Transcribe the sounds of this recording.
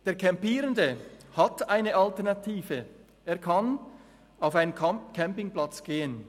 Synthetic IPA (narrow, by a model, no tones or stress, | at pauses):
d̥eːɐkʰɛmpiːʁəndəhɑtaɪnəʔɑltɛɐnɑtʰiːvə | ʔeːɐkʰɑn | aʊfaɪnənkʰɛmpɪŋplɑt͡sɡ̥eːən